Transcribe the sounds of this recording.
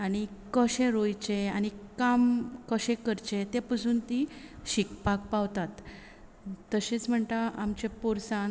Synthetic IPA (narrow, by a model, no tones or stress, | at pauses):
aɽ̃ikəɕẽɾojt͡ɕeañikamkəɕẽkəɾt͡ɕet̪epəsuːnt̪iɕikpakpaʋt̪at̪ː | əɕet͡sm̤əɳt̪aamt͡ɕepoɾsãn